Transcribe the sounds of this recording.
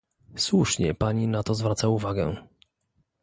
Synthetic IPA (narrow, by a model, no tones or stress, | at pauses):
swuʂɲɛ̰paɲinat̪ɔzvɾat̪sauvaɡɛ